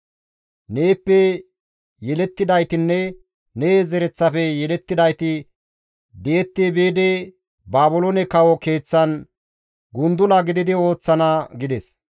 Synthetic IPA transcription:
neːpːɛ | jɛlɛt̪ːɪd̪ɐjt̪ɪnːɛ | neːzɛɾɛt͡sːɐfɛjɛlɛt̪ːɪd̪ɐjt̪ɪ | d̪eɛt̪ːebeːd̪e | baːbʊlonɛkɐwɔke̞ːt͡sːɐn | ɡʊnd̪ʊlɐɡɪd̪ɪd̪ɪo̞ːt͡sːɐnaɡɪd̪ɛs

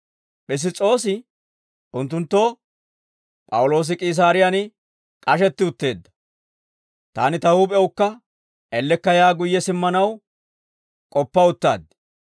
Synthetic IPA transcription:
ʔɪs̬ɪt͡sʼːo̞ːsɪ | ʊnt̪ːʊnt̪ːo̞ː | pʼɐwʊlo̞ːs̬ɪkʼiːs̬aːɾɪjanɪ | kʼɐʃɛt̪ːɪʊt̪ːe̞ːd̪ːɐ̥ | t̪a̰ːnɪt̪ɐhupʼɛʊkːɐ | ɛlːɛkːɐjaːɡʊjːɛsɪmːɐnɐw | kʼɔpːɐʊt̪ːa̰ːd̪

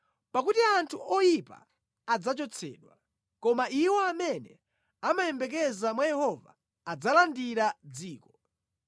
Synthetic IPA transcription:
pakutiantʰuʔɔjipa̰ː | d͡zat͡ʃɔt͡sʰɛ̰ːɗwa | kɔmaiwɔamɛnɛ | amajɛmbɛkɛzamwajɛhɔva̰ː | d͡zalandiɾad͡ziːkɔ

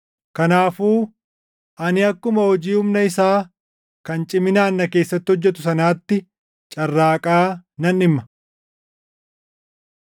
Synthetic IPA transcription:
kɐnaːfuː | ʔɐnɪɐkːʊmɐhɔd͡ʒiːhʊmnɐɪsaː | kɐnt͡ʃʼɪmɪnaːnːɐke̞ːsːɐt̪ːɪhɔd͡ʒːɛt̪̬ʊsɐnaːt̪ːɪ | t͡ʃʼɐrːaːkʼaːnɐnɪmːɐ̥

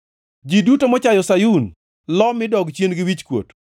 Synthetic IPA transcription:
d͡ʒidutomɔt͡ʃajɔsajun | lɔmɪdɔɡt͡ʃjenɡɪwit͡ʃkwo̰t

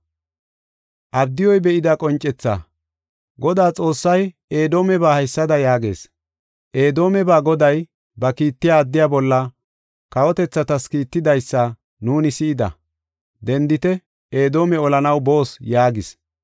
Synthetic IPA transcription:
ʔɐbd̪ɪjɔjbɛʔɪd̪ɐkʼɔnt͡ʃʼːɛt͡sːa̰ | ɡɔd̪aːt͡sʼo̞ːsːɐj | e̞ːd̪o̞ːmɛbaːhɐjsːɐd̪ɐjaːɡe̞̰ːs | ʔe̞ːd̪o̞ːmɛbaːɡɔd̪ɐj | bɐkiːt̪ːɪjaːd̪ːɪjaːbɔlːɐ | kɐwɔt̪ɛt͡sːɐt̪ɐskiːt̪ːɪd̪ɐjsːɐ | nuːnɪsɪɪd̪ɐ̰ | d̪ɛnd̪ɪt̪ɛ | eːd̪o̞ːmɛɔlɐnɐwbo̞ːsjaːɡɪs

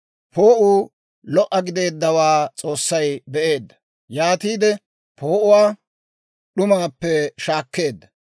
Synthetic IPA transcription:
pʰoːʔuː | lɔʔːɐɡɪd̪e̞ːd̪ːɐwaːt͡sʼo̞ːsːɐjbɛʔe̞ːd̪ːɐ̥ | jaːt̪iːd̪ɛ | poːʔʊwaː | ɗʊmaːpːɛʃaːkːe̞ːd̪ːɐ

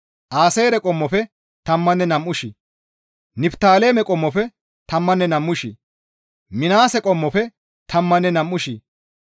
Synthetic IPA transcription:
ʔaːseːɾɛkʼɔmːɔfɛ | t̪ɐmːɐnːɛnɐmʔʊʃɪ | nɪpt̪aːleːmɛkʼɔmːɔfɛ | t̪ɐmːɐnːɛnɐmːʊʃi | mɪnaːsɛkʼɔmːɔfɛ | t̪ʰɐmːɐnːɛnɐmːʊʃi

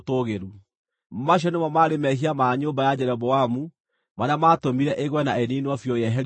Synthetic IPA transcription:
toɣeɾu | maɕ̬jɔnemɔmaɾemɛɦiamaɲoːmbajad͡ʑɛɾɔbɔamu | manamatomiɾɛʔeɣwɛnaeninɔfjɔjɛɦɛɾ

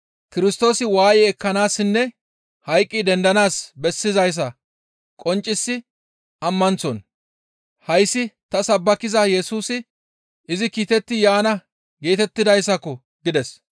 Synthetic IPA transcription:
kɪɾɪst̪o̞ːsɪwaːjɛɛkːɐnaːsːɪnːɛ | hɐjkʼːɪd̪ɛnd̪ɐnaːsbɛsːɪzɐjs̬ɐ | kʼɔnt͡ʃʼːɪsːɪ | ɐmːɐnt͡sɔn | hɐjsːɪt̪ɐsɐbːɐkɪzɐjɛsuːsɪ | ɪzɪkiːt̪ɛt̪ːɪjaːnɐ | ɡeːt̪ɛt̪ːɪd̪ɐjsːɐkɔ | ɡɪd̪ɛs

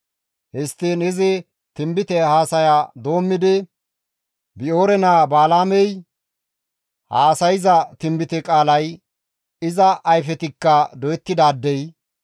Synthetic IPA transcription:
hɛst̪ːeːnɪzɛ | t̪ɪmbɪt̪ɛhaːsɐjaːd̪o̞ːmːɪd̪ɛ | bɪo̞ːɾɛnaːbaːlaːmɛj | haːsɐjɪzɐt̪ɪmbɪt̪ɛkʼaːlɐj | ɪzɐʔːjfɛt̪ɪkːɐd̪ɔjɛt̪ːɪd̪aːd̪ːɛj

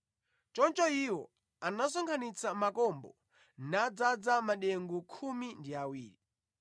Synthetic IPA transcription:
t͡ʃɔnt͡ʃɔiwɔ̰ | anasɔŋkʰanit͡samakɔmbɔ̰ | nad͡zad͡zamaɗɛŋɡukʰumindiawiːɾi

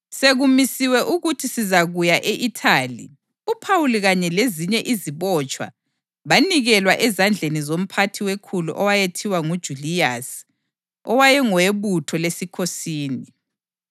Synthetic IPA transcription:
seɣumisiwɛʔuɣutʰisizaɣujaʔeʔitʰaːlḭ | upʰawuliɣaɲɛleziɲɛʔiziβɔt͡ʃʼwa̰ | βaniɣɛlwaʔɛzand͡ɮʱenizom̩pʰatʰiwekʰuluʔɔwajetʰiwaŋud̥ʒ̥ʱulijas | ɔwajɛŋɔweβutʰɔlesikʰosiːni

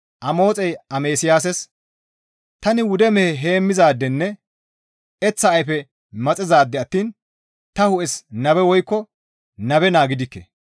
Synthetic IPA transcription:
ʔɐmo̞ːt͡sʼɛjɐmeːsɪjaːs̬ɛs | t̪ɐnɪwʊd̪ɛmɛhɛɦeːmːɪzaːd̪ːɛnːɛ | ɛt͡sːɐːjfɛ | mɐt͡sʼɪzaːd̪ːɛɐt̪ːiːn | t̪ɐhʊʔɛsnɐbɛwɔjkːɔ | nɐbɛnaːɡɪd̪ɪkːɛ̰

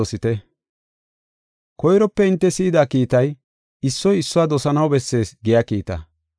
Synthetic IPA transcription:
osɪt̪ɛ | kɔjɾɔpːɛɪnt̪ːɛsiːd̪aːkiːt̪ɐj | ɪsːɔjɪsːʊaːd̪ɔsɐnɐwbɛsːe̞ːsɡɪjakiːt̪ɐ̰

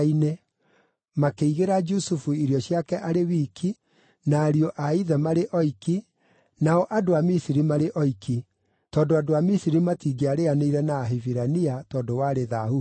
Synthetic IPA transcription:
inɛ | makeiɣeɾad͡ʒusufuiɾjɔɕjakɛʔaɾewiːkʰi | naːɾiɔʔaiðɛmaɾeʔɔiki | naɔʔadoamisiɾimaɾeʔɔiki | tɔːndoadoamisiɾimatiɡeaɾeaneiɾɛnaːɦeviɾaniatɔːdowaɾeðahu

